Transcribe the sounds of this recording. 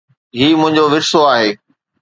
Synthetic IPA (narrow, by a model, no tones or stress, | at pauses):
ɦiːmʊ̃ɦɪ̃ɲd͡ʑoʋɪɾsoaːɦeː